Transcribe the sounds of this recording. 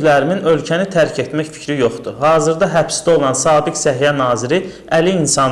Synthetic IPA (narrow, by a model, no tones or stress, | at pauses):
læɾiminø̞lcʰænit̪ʰæɾcʰe̞t̪mæçfi̥cʰɾijo̞χd̪uɾhɑːzɯɾd̪ɑɦæpsd̪æo̞lˠɑnsɑːbiksæɦijænɑːziɾi | æliːnsɑn